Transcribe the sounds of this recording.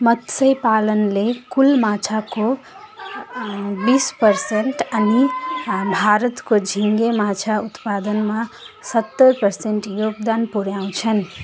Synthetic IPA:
mʌt̪səjpalənlekulmat͡ʃʰako | bispəɾseɳʈənibʱaɾət̪kod͡ʒʱiŋɡemat͡ʃʰaut̪pad̪ənma | sət̪ːəɾpəɾseɳʈjoɡd̪anpuɾjaw̃t͡ʃʰən

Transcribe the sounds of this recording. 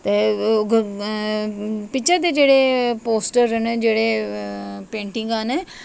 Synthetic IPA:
t̪eːɡ | pɪt͡ʃʰed̪eːd͡ʒeːɽeːpoːsʈəɾned͡ʒeːɽeː | pẽːɳʈɪŋɡaːne

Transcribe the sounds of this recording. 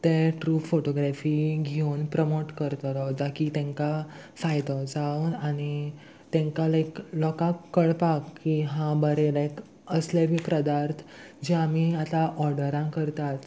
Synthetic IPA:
t̪eʈɾuːfoʈoɡɾafiɡʱenpɾɔmoʈkəɾt̪ɔɾɔʋt̪akit̪ɛ̃ŋka | fajt̪ɔd͡zawnañi | t̪ẽŋkalajklɔkãkːəɭpakːiɦãbəɾelajk | əslebʱipɾəd̪aɾt̪ʰ | d͡ʑeamiat̪ãʔɔɾɖəɾãkəɾt̪at̪

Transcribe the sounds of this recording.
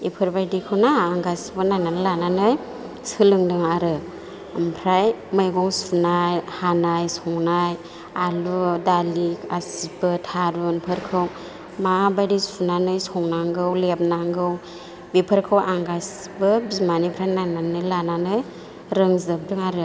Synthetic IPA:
ipʰɯɾbajdikʰɯwnaːŋɡasbɯnajnanlananɯj | sɯlɯŋdɯŋaɾɯ | mpʰɾajmajɡɔŋsunajhanajsɔŋnaj | aludalikasibɯtʰaɾunpʰɯɾkʰɯw | mabajdisunanɯjsɔŋnaŋɡɯwlep̚naŋɡɯw | bipʰəɾkʰɯwʔaŋɡas | bɯbizmanipʰɾajnajnanɯjlananɯj | ɾɯŋzɯp̚dɯŋaɾɯ

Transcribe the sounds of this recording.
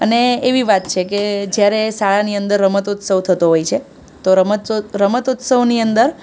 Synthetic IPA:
əneːʋiʋat̪t͡ʃʰeked͡ʒjaɾesaɭaniənd̪əɾːəmət̪ʊt̪səʋt̪ʰət̪oɦojt͡ʃʰe | t̪oɾəməɾəmət̪ʊt̪səʋniənd̪əɾ

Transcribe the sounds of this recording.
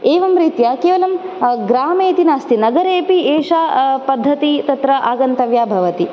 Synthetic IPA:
eːʋɐmɾiːt̪jaːkeːʋɐlɐm | ɡɾaːmeːt̪inaːst̪inɐɡɐɾeːpieːʂaːpɐd̪ʱːɐt̪it̪ɐt̪ɾɐʔaːɡɐnt̪ɐʋjaːbʱɐʋɐt̪i

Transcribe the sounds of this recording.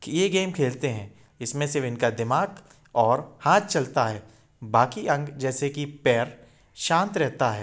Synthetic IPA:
kijeɡeːmkʰeːlt̪eɦɛ̃ː | ɪsmẽsɪʋɪnkad̪ɪmaːɡ | ɔːɾhãːt̪̚t͡ʃɐlt̪aɦɛː | baːkiʔɐ̃ŋɡd͡ʒɛːsekipɛːɾ | ʃãːnt̪ɾɛɦt̪aɦɛː

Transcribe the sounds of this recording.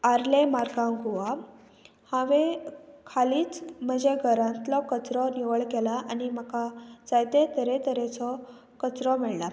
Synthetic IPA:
aɾlemaɾɡãŋɡʱoʋa | haʋẽkʰaliːt͡sm̤əd͡ʑeɡʱəɾãnt̪lɔkət͡sɾɔniʋəɭkɛlaʔanimakad͡zajt̪et̪əɾet̪əɾet͡sɔ | kət͡sɾɔmɛɭla

